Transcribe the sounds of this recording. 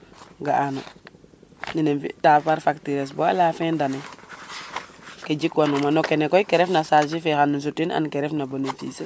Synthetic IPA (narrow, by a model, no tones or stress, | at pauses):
ɡaʔano̰ | ninenfḭtapaɾfaktiɾes̬bo̰a̰lafendane | ked͡ʒikwanumanokenekojkeɾefnasalʃifexanːuns̬utːina̰nkeɾefnabonefḭːse